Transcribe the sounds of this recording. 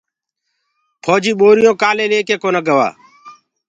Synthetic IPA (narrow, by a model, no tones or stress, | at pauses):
pʰoːd͡ʒiːɓoːɾɪjõːkaːleːleːkeːkoːnəɡəʋa̰ː